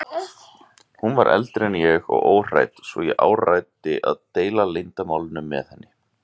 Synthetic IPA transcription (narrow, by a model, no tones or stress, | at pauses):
hunvaɾʔɛ̰lt̪ɾɛnjɛɣɔ̰ɣoːwr̥a̰jt̪svɔjɛʔaːwrajt̪ɪʔa̰ðt̪eːjlalejnt̪amaːwlɪnʏmːɛ̰ðhɛnːɪ